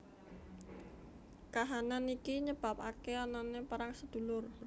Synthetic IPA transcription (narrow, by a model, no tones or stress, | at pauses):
kaɦananikiɲəb̥a̤p̚akeananepaɾaŋsəd̪̥ṳlʊr